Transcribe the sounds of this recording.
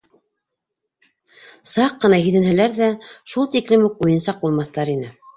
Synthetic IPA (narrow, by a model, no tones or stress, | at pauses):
sɑqːɤ̆nɑɦiðɘ̆nhæ̆læɾðæʃulˠt̪iklɘmuk̚ujɤ̆nsɑq̚bulˠmɑθt̪ɑɾinɘ